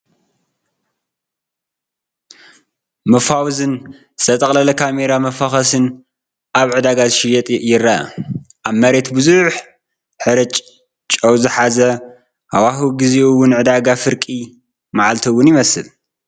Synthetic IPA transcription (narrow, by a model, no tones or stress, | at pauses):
mɐfawzɨn | sɐt̪ʼɐkʼlɐlɐkʰame̞ɾamɐfaxɐsɨn | ʔaβʕɨd̪aɡazɨʃɪjɛt̪ʼjɪrɐɐ̰ | ʔaβmɐɾe̞t̪bɨzuħ | ħɨɾɨt͡ʃʼ | t͡ʃʼɐwzɨħazɐ | hawaɦuɡɨzeuwʊnʕɨd̪aɡafɨɾkʼi | maʕalt̪ʰiwːʊnjɪmɐsɨl